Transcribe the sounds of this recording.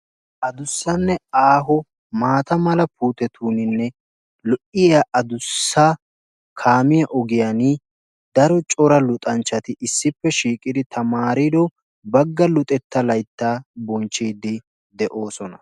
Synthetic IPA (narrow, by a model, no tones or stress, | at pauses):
ʔɐd̪ʊsːɐnːɛaːɦɔ | maːt̪ɐmɐlɐpʰuːt̪ɛt̪ʰuːnɪnːɛ | lɔʔɪjaʔɐd̪ʊsːa | kʰaːmɪjɐʔɔɡɪjɐnɪ | d̪ɐɾɔt͡ʃʼɔɾɐlʊt̪ʼɐnt͡ʃːɐt̪ɪʔɪsːɪpːɛʃiːkʼɪd̪ɪt̪ʰɐmaːɾɪd̪ɔ | bɐɡːɐlʊt̪ʼɛt̪ːɐlɐjt̪ːaːbɔnt͡ʃːiːd̪ɪ | d̪ɛʔo̞ːsɔnɐ